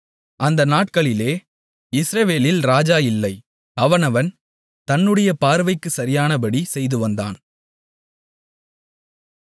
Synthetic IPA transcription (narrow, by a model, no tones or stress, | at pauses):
ʔɐnd̪ɐnaːʈ̚kɐɭɪleː | ɪsɾɐʋeːlɪlɾaːd͡ʒaːjɪlːɐɪ | ɐʋɐnɐʋɐn | t̪ɐnːɯɽɐjɐpaːɾʋɐɪkːɯsɐɾɪjaːnɐbɐɽisɛjðɯʋɐnd̪a̰ːn